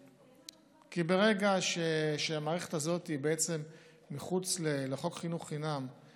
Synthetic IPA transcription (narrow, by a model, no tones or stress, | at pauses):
kibe̞ʁe̞ɡaʃeʃeamaːʁeχet̪azo̞t̪ibeet͡se̞mː | iχut͡sleleχo̞kχinuχːinam